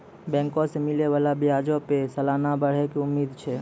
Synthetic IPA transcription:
bɛ̃ːŋkõsemɪleʋalabijad͡ʒopesəlaːnabəɽ̤ekeʊmːiːd̪t͡ʃʰɛ

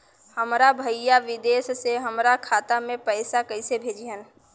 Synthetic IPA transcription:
həmɾabʱəɪjaʋɪd̪eːsseɦəmɾakʰaːt̪amẽpəːsakəɪsebʱeːd͡ʒiɦən

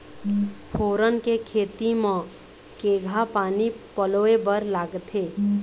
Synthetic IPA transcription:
pʰoːɾənkekʰeːt̪imə̃ | keːɡʱapaːnipəloebəɾlaːɡt̪eː

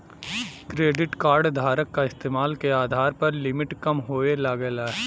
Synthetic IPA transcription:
kɾeːɖɪʈkaːɾɖd̪ʱaːɾəkːaɪst̪eːmaːlkeaːd̪ʱaːɾpɐɾlɪmɪʈkɐmɦoːelɐɡəlɛ

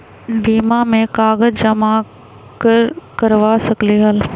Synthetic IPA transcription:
biːmamẽkaːɡəd͡ʒd͡ʒɐma | kɾkəɾʋasɐkliɦəl

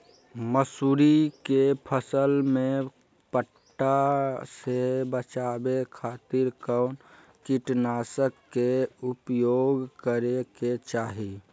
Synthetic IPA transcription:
məsuːɾikepʰəsəlmẽ | pəʈːasebət͡ʃaːbekʰaːt̪ɪɾkəʊn | kiʈnaːsəkːeupjoɡkəɾeket͡ʃaːɦi

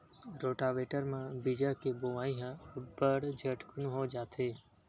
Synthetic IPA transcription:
ɾoːʈaːʋeːʈəɾmãbid͡ʒəkeboʋaːĩɦãbəɽd͡ʒʱəʈkʰʊnũɦod͡ʒaːt̪ʰeː

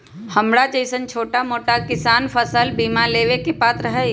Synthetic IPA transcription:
hɐmɽat͡ʃəɪsənt͡ʃʰoːʈamoːʈakɪsaːnfʰəsəlbiːmaleːʋekepaːt̪ɾəɦɛ

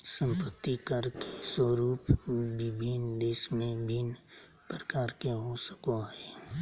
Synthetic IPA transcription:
sə̃mpət̪ːikəɾkeswəɾuːpʋɪbʱind̪eːʃmẽbʱin | pɾəkaːɾkeɦosə̥koɦɛː

